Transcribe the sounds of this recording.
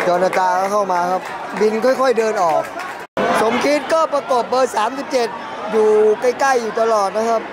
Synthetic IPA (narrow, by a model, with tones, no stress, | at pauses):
jɔː˧naː˧t̪aː˧˥˩kʰa˥˩wmaː˧kʰa˦˥p̚ | bi˧nkʰɔ˥˩jkʰɔ˥˩jdɤː˧nʔɔː˨˩k̚ | so˨˩˦mkʰi˦˥t̪̚kɔː˥˩pɾa˧ko˨˩p̚bɤː˧saː˩˦msi˨˩p̚t͡ɕe˨˩t̪̚ | duː˨˩ka˥˩jka˥˩jːuː˨˩t̪a˧lɔː˨˩t̪̚na˦˥kʰa˦˥p̚